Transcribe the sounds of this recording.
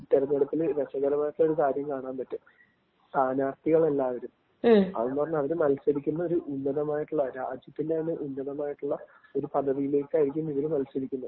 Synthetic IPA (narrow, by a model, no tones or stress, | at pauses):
t̪ːeɾɐnːeɽɐt̪ːilʋet͡ɕːɐɣɐɾɐmaːjiʈːuɭːɐo̞ɾukaːɾjɐmkaːɳaːnpɐtːu | t̪aːnaːrt̪iɣɐɭe̞lːaːʋɐɾum | ɐ̰ðenːɨpɐrɐɲːuɐʋɐɾumɐlsɐðikʲːunːɐoɾuʔunːɐðɐmaːjiʈːuɭːɐɾad͡ʑitːindeɐnːɨʔunːɐðɐmaːjiʈːuɭːɐo̞ɾupɐd̪ʱːɐðijile̞ːkʲːɨaːiɾikʲːumiʋɐɾumɐlsɐdikʲːunːɐðɨ